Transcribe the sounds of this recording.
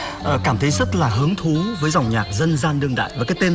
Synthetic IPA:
ʔəː˨˩kaː˧˩mt̪ʰə˨˦jzə˦˥t̚laː˨˩ɦɨ˨˦əŋt̪ʰu˨˦vəː˨˦jza˨˩wŋ͡mɲaː˨˩t̚zə˧nzaː˧nɗɨ˧əŋɗa̰ː˧˨jvaː˨˩kaː˨˦jt̪e˧n

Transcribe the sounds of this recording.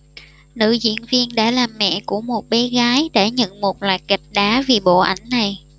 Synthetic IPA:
nɨ̰˧˨zḭ˧˥ənvi˧ənɗa̰ː˧˥laː˨˩mːɛ̰˧˨ku˧˩əmo˨˩t̚ɓɛ˨˦ɣaː˨˦jɗe˧˩ɲə̰˧˨nmo˨˩t̚lwa̰ː˧˨jka˨˩jk̟̚ɗaː˨˦vi˨˩ɓo̰˧˨ʔa˨˦jŋ̟na˨˩j

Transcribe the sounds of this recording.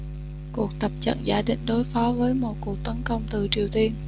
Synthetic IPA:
ku˨˩ək̚t̪ə˨˩p̚t͡ɕə̰˧˨nzaː˧˩ɗḭ̈˧˨ŋ̟ɗo˨˦jfɔ˨˦vəː˨˦jmo̰˨˩t̚ku˨˩ək̚t̪ə˨˦nkə˧wŋ͡mt̪ɨ˨˩t͡ɕi˨˩əwt̪i˧ən

